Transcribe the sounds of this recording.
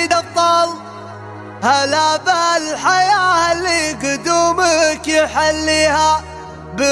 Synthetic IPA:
d̪ɑb̚t̪ˤɑːl | halabalħajaːhalːiɡʊd̪uːməkjɪħalːiːha | bə

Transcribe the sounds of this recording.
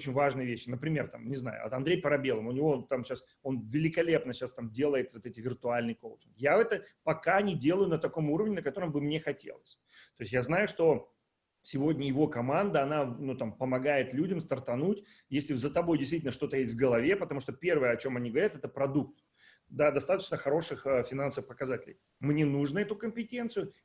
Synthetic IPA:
ot͡ɕɪnʲvaʐnɨjəvʲeɕːɪnəpɾʲɪmʲe̞rt̪a̰mnʲɪzna̰jʊ̰ɐ̰t̪ɐnd̪ɾʲejpəɾɐbʲelˠəmʊnʲɪvo̞t̪amɕas | o̞nvʲɪlʲɪkɐlʲe̞pnəɕast̪amdʲe̞lˠəjɪt̪vot̪ɛtʲɪvʲɪrt̪ʊalʲnɨjkolˠt͡ɕɪnɡjavɛt̪əpɐkanʲɪdʲe̞lˠəjʊnət̪ɐko̞muɾəvnʲɪnəkɐt̪o̞ɾəmbɨmnʲe̞xɐtʲḛlˠəsʲ | t̪ojɪsʲtʲjaznajʊʂt̪o̞ | sʲɪvo̞dʲnʲəjɪvo̞kɐmand̪əɐnanut̪ampəmɐɡajɪt̪lʲudʲəmst̪ərt̪ɐnutʲ | jesʲlʲɪzət̪ɐbo̞jdʲɪst̪vʲitʲɪlnəʂt̪o̞t̪əjesʲtʲvɡəlˠɐvʲe̞pət̪ɐmuʂt̪opʲe̞rvɨjəɐt͡ɕo̞mɐnʲiɡəvɐɾʲat̪ɛt̪əpɾɐd̪uk̚t̪ | d̪ad̪ɐst̪at̪ət͡ɕnəxɐɾo̞ʂɨxəfʲɪnansəvɨfpəkɐzatʲɪlʲɪ̰j | mnʲenuʐnəɛt̪ʊkəmʲpʲɪtʲe̞nt̪sɨjʊ

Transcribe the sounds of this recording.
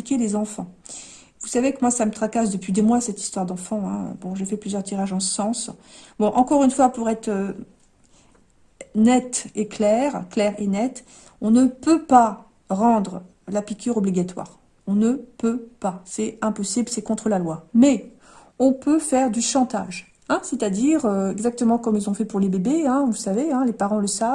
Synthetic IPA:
ikʲelezɑ̃fɑ̃ | vusavekəmwasamət̪χakas̬d̪əpɥid̪emwasɛt̪i̥st̪waʁd̪ɑ̃fɑ̃ɛ̰̃bɔ̃ʒefɛplyzjœʁt̪ʰiʁaʒɑ̃əsɑ̃sbɔ̃ʔɑ̃kɔʁynfwapuʁɛt̪χə | nɛt̪eklɛʁklɛʁenɛt̪ | ɔ̃nəpøpa | ʁɑ̃d̪ʁə | lapikʲʰyʁɔbliɡʲat̪wa̰ːʁ | ɔ̃nəpøpasɛɛ̃pɔsiblsɛkɔ̃t̪χəlalwamɛ | ɔ̃pøfɛʁd̪yʃɑ̃t̪a̰ʒ | ɛ̃sɛt̪ad̪iʁøɛɡzak̚t̪əmɑ̃kɔmilzɔ̃fɛpuʁlebebeɛ̃vulsaveɛ̃lepaʁɑ̃ləsav

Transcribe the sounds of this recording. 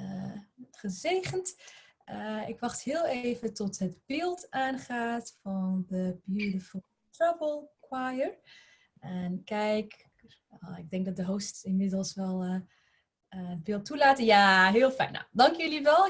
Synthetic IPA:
əχəzejχənt | əɪkʋɑχthɪːlˠejvətɔtɦədbɪːlˠtʔaːnχaːtfɑndəbidəfɔ | trabəlˠkwajəɹ | ɛnkɛjk | oɪɡ̚dɛŋk̚dɑt̚dəɦowstɪnmɪdəlˠsʋɛlˠ | əəd̚bɪlˠtːulaːtənjaːɦɪːlˠfɛ̰jna̰dɑŋkjəliʋɛlˠ

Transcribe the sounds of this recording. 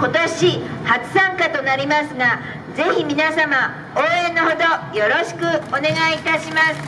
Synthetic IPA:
ko̞t̪o̞ɕihat͡sɨ̥sãŋkat̪o̞naɾʲimasɨɡa | ze̞çimʲinasama | oːẽ̞nːoho̞d̪ojo̞ɾo̞ɕi̥kɯ̟one̞ɡait̪aɕimasɨ̥

